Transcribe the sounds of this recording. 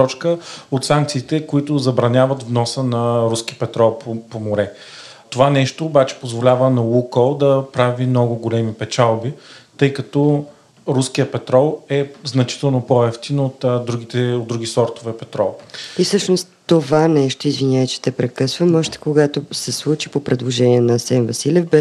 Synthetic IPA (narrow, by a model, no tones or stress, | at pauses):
t̪ɔt͡ʃkəot̪saŋk̚t̪siːt̪ɛkoit̪ʊzɐbɾɐnʲavət̪vnɔsənɐɾuskipɛt̪ɾɔlˠpopomoɾɛ | t̪ovanɛʃt̪oːbat͡ʃɛ̥pozvolʲavənɐlukolˠd̪ɐpɾavimnɔɡʊɡolɛmipɛt͡ʃalˠbit̪ɤjkɐt̪ɔ | ɾuskijəpɛt̪ɾɔlˠɛznɐt͡ʃi̥t̪ɛlˠnopoɛft̪inot̪d̪ɾuɡʲit̪ɛod̪d̪ɾuɡʲisɔɾt̪ovɛpɛt̪ɾɔlˠifsɤʃnost̪t̪ːovanɛʃt̪oizvinʲaət͡ʃɛ̥t̪ɛpɾɛkɤsvəmɔʒt̪ɛ̥koɡat̪osɛslˠut͡ʃi̥popɾɛd̪lˠoʒɛniɛnɐsɛnvɐsilʲɛfbɛ